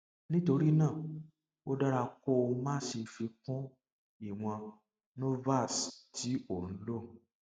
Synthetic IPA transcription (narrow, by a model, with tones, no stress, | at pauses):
nĩ˦to˧ɾi˦nã˦˨ | o˦da˦ɾa˧kɔ˦o˧˦mã˦ʃi˧fi˧kũ˦ | i˦˨w̃ɔ̃˧ | no˦va˦˨stʰi˨˦o˦˨ñ̩˨˦lo˦˨